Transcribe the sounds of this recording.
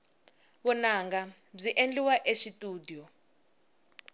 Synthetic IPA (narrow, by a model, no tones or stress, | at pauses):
ɓɔnaːŋɡab͡ʐiʔend͡ɮiwaʔeʃitʼuːdijɔ